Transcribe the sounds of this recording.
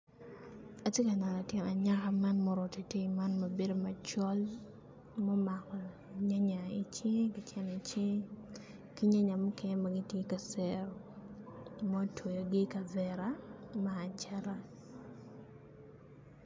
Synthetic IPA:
a˨tje˦ka˨na˨la˨tjɛ˦na˨ɲa˦ka˦ma˦nmɔ˦ɾɔ˨te˨tje˦ma˦nma˨be˦do˨ma˨t͡ʃɔ˦l | mɔ˦ma˨kɔ˨ | i˨ɲa˦ɲa˨i˨t͡ʃe˦kɪ˨t͡ʃɛ˦n˨i˨t͡ʃe˦ | ki˦ɲa˦ɲa˨mɔ˦kɛ˦ɲ˦ma˨ɡɪ˦tje˦ka˨sɛ˦ɾo˨ | mɔ˦two˨jo˨ɡɪ˦ka˨vɛ˨ɾa˦maː˨t͡ʃa˦ɾa˦

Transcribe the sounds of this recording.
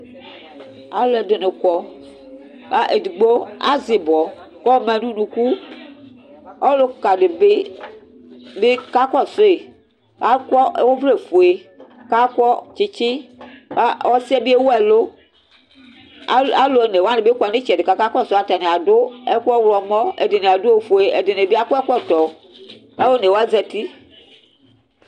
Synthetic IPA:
a˨˦lɛ˨de˨ne˨kɔ˨ | a˦ʔe˨di˨ɡ͡bo˦a̰˦zi˨bɔ˨kɔ˦mɛ˨nũ˦nũ˨ku˦ | ɔ˦lo˦ka˨de˨be˦ | be˦ka˦kɔ˦˨so˦e˨ | a˦kɔ˦ʔe˦wo˦vle˦fo˨e˨ka˦kɔ˦t͡ʃi˦t͡ʃi˦˨ | ɔ˦si˦ɛ˦bi˦e˦wo˦ɛ˨lo˦ | a˦lo˨ne˨wa˦ne˨be˦kʷɔ˨ne˦t͡ʃi˨ɛ˨dɪ˨ka˨ka˦kɔ˦˨sʊ˦a˨ta˨ne˨a˨dʊ˦ɛ˦ku˦ɔ˦wlɔ˨mɔ˦ḛ˨dɪ˨ne˨a˨dʊ˦e˨fo˨e˨ʔɛ˨de˨ne˨be˦a˦kɔ˦ɛ˦kʷɔ˦tɔ˨ | a˦wo˦ne˨wa˦d͡zɛ˦ti˦

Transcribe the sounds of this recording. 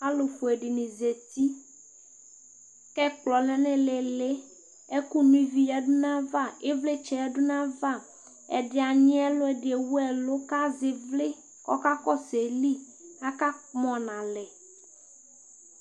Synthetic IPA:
a˦lo˨ɸo˨e˨ɖi˨nĩ˨ze˨t̪i˦ | kɛ˦k͡plɔ˨lɛ̃˦nẽ˨le˨le˦ | e˦ku˦nũ˦i˦vi˦ja˨ɖu˦nã˦va˦˨e˦vle˦t͡ʃɛ˨ɛ˨ɖu˦nã˦va˦˨ | ɛ̰˨ɖɪ˨a˨ɲĩ˦ɛ˦lo˦ɛ˨ɖɪ˨e˨wu˦ɛ˨lo˦ka˦ze˨vle˦ | kɔ̰˦ka˦kɔ˦se˨li˦ | a˦ka˦mɔ̃˨nã˨lɛ˨

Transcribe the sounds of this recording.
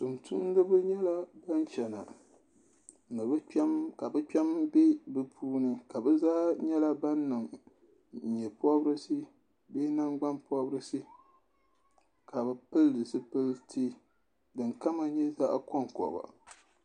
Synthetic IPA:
tu˨mtʰu˦n˦dɨ˦bɨ˦ɲɛ˦la˦ba˦nt͡ʃɛ˨na̰˨ | nɨ˨bɨ˦mka˨bɨ˦k͡pɛ˦mbe˦bɨ˨pʰuː˦nɨ˨ka˨bɨ˦zaː˦ɲɛ˦la˦ba˦nːɨ˨ŋ̩˨ | ɲɛ˨pɔ˦bɾɨ˦sɨ˦ | beː˦na˦ŋɡ͡ba˦npɔ˦bɾɨ˦sɨ˦ | ka˨bɨ˨pɨ˦ldɨ˨sɨ˦pɨ˦ltʰi˦ | dɨ˨ŋka˦ma˨ɲɛ˦za˦ʔkɔ˦ŋ˨kɔ̰˨ba̰˨

